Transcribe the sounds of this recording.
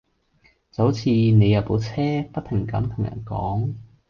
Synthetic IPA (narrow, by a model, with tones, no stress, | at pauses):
t͡sɐ˨˥wt͡sʰiː˧ne˨˧jɐ˨˧wpo˨˥wt͡sʰɛː˥pɐ˥t̚t̪ʰɪ˨˩ŋkɐ̰˨˥mt̪ʰʊ˨˩ŋjɐ̰˨˩nkɔ̰ː˨˥ŋ